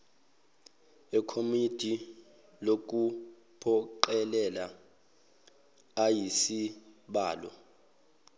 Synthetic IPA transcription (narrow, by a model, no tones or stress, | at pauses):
ɛkʰomid̥ʱi | lok̬u | pʰɔǃɛlɛla | ajisiɓaːlɔ̰